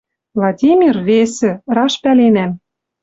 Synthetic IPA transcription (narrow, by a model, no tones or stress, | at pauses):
vlˠɑdʲimʲirvesɘ̆rɑʃpælenæm